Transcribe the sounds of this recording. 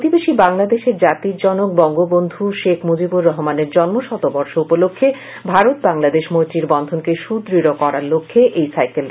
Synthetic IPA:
pt̪ibeʃibaŋlad̪eʃeɾd͡ʑat̪iɾd͡ʑɔnok̚bɔŋɡobond̪ʱuʃekʰmod͡ʑibuɾːɔɦomaneɾd͡ʑɔnmoʃɔt̪obɔɾʃoupolokʰːe | bʱaɾot̪̚baŋlad̪eʃmot̪ɾiɾbɔnd̪ʱonkeʃud̪ɾiɾokɔɾaɾlokʰːeʔejsajkel

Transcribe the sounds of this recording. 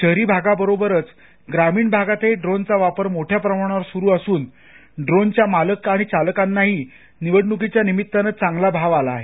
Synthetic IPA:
t͡ɕəɦɾiːbʱaɡabəɾobəɾət͡s | ɡɾamiːɳbʱaɡat̪eɖɾont͡saʋapəɾmoʈʰjapɾəmaɳ̃aɾsuɾuːəsuːn | ɖɾont͡ɕjamaləkaɽ̃it͡ɕalkanːaɦiː | niʋəɽɳukit͡ɕjanimit̪ːanət͡s̚t͡saŋɡlabʱaʋalaːɦe

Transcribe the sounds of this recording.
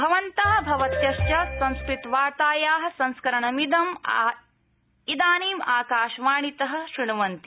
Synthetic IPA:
bʱɐʋɐnt̪ɐɦɐbʱɐʋɐt̪jɐʃjɐsɐ̃nskɾit̪ʋaːɾt̪aːjaːɦɐ̆sɐ̃nskɐɾɐɳɐmid̪ɐm | id̪aːniːmaːkaːʃʋaːɳit̪ɐɦɐ̆ʃɾiɳuʋɐnt̪i

